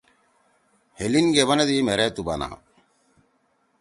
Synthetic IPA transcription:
helinɡeβɐnɐd̪imɛɾɛt̪uba̰na̰

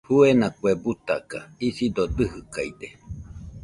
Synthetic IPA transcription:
huenakuebut̪a̰kaisid̪od̪ɨɦɨkajd̪e

